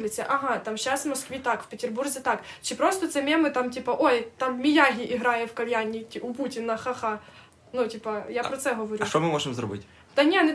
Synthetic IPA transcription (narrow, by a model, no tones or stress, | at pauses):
lʲɪsʲɐʔɐɦat̪amɕːasvmɔskʋʲit̪akfʲpʲɪtʲɪrburzʲɪt̪akt͡ɕɪpɾost̪ɐt̪sɛmʲemɨt̪amtʲipɐʔojt̪ammʲɪjaɦʲɪʔiɦɾajɛfkɐlʲjanʲitʲiʊputʲɪnɐxɐxa | nutʲipɐjapɾɔt̪sɛɦɐʋɐɾʲuʃt̪omɨmoʐɨmzɾɔ̰bɨ̰tʲ | d̪ɐnʲenɪ